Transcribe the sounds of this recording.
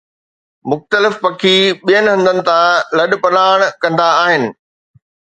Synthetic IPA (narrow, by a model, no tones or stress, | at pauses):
mʊxt̪əlɪfpɐkʰiɓijənɦɐ̃nd̪ənɪ̆t̪ʰãlɐɗpɐnaːɽ̃kɐ̃nd̪aːɦɪnɪ̆